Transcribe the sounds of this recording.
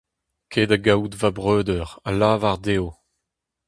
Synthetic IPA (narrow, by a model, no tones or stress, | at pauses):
kʰeːd̪aɡawt̪vabʁøːd̪œʁalaːvaʁd̪eːo